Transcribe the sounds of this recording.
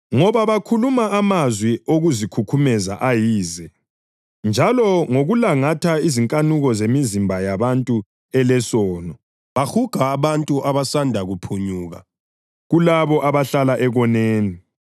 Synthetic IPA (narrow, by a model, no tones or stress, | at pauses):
ŋɔβaβakʰulumaamazwioɣuzikʰukʰumɛza̰ʔajiːzɛ | nd͡ʒʱalɔŋoɣulaŋatʰaiziŋkʼanuɣɔzemizimbʱajaβantʼu | ɛlɛsɔːnɔ | βaxuɡ̥ʱaːβantʼuʔaβasandʱaɣupʰuɲuːɣa̰ | ɣulaβɔʔaβaɬalaʔɛɣɔneːni